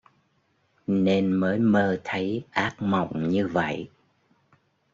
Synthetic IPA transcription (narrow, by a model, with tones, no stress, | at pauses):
ne˧nməː˨˦jməː˧t̪ʰə˨˦jʔaː˦˥k̚ma̰˧˨wŋ͡mɲɨ˧və̰˧˨j